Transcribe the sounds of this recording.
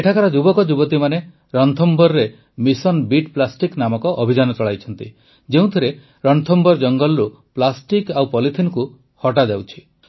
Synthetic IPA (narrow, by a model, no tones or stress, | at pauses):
eʈʰakaɾɔd͡ʒubɔkɔd͡ʒubɔt̪imane | ɾɔnt̪ʰɔmbɔɾɾe | misɔnbiʈplasʈiknamɔkɔʔɔbʱid͡ʒanɔt͡ʃɔɭajt͡ʃʰɔnt̪i | d͡ʒeũt̪ʰiɾe | ɾɔnt̪ʰɔmbɔɾd͡ʒɔŋɡɔlɾu | plasʈikawpɔlit̪ʰinku | hɔʈad͡ʒawt͡ʃʰi̥